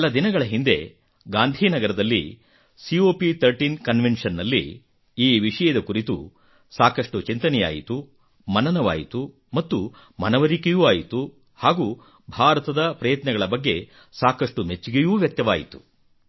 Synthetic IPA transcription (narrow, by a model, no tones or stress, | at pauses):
ɐlɐd̪inɐɡɐɭɐɦind̪e̞̰ | ɡaːnd̪ʱiːnɐɡɐɾɐd̪ɐlːḭ | sioːpit̪ʰɐɾʈiːnkɐnʋenʂɐnːɐlːḭ | iːʋiʂɐjɐd̪ɐkuɾit̪ṵ | saːkɐʂʈut͡ʃint̪ɐnɛja̰ːjit̪u | mɐnɐnɐʋa̰ːjit̪u | mɐt̪ːu | mɐnɐʋɐɾikejuːaːjit̪u | haːɡu | bʱaːɾɐt̪ɐd̪ɐpɾɐjɐt̪nɐɡɐɭɐbɐɡːe̞̰ | saːkɐʂʈumet͡ʃːiɡejuːʋjɐk̚t̪jɐʋaːjit̪u̥